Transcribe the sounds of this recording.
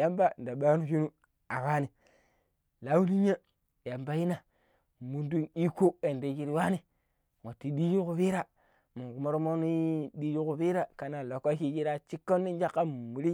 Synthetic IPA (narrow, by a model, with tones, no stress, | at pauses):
ja˦mba˦n˨da˨ɓa˦nu˦ʃu˦nu˦ | a˨wa˦ni˨ | la˨˦wu˦ni˦ɲa˦˨ | ja˨mba˦ji˦na˨ | mu˨ndu˦ni˦ko˦e˨nde˨ki˦ɾi˦wa˦ni˦ | ŋa˨tːi˨˦di˦ju˦ku˦fi˦ɾa˦ | mu˨ɡu˨mo˦ɾmo˦ni˦di˦d͡ʒu˦ku˨fi˦ɾa˦ka˨na˨lo˨ka˦ki˦d͡ʒi˦ɾa˦t͡ʃi˦kːo˦nːi˦d͡ʒa˦kːa˦m˨mu˨ɾi˦